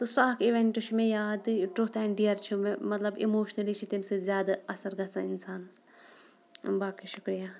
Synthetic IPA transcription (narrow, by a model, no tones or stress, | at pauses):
t̪osaːkiʋeɳʈuʃʰumẽjaːd̪ʈot̪ʰɛ̃ːɳɖijɐɾt͡ʃʰumemɐt̪lɐbimoːʃnɐlit͡ʃʰit̪imsezjaːd̪aɐsɐɾɡɐsaɪnsaːns | baːkiʃʊkɾijaː